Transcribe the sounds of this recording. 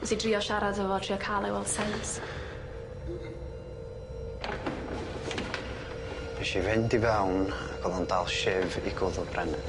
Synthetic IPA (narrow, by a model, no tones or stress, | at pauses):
sidriːɔʃaɾadəvɔtʰriɔkʰalˠɛwɛlˠsɛjns | ɛʃivɪndivɛwnaɡ̥ɔðɔndaːlˠʃɪviɡʊðʊlbrɛnɛ